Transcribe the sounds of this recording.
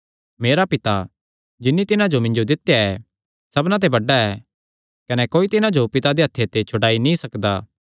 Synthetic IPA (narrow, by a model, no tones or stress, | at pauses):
meːɾapɪt̪a | d͡ʒɪnːit̪ɪnãd͡ʒomɪ̃nd͡ʒod̪ɪt̪ːjaɛ | sɐbnat̪̬ebɐɖaɛ | kɐnɛkoːit̪ɪnãd͡ʒopɪt̪ad̪eɦɐt̪ʰːet̪et͡ʃʰʊɽaːinĩsɐkd̪aː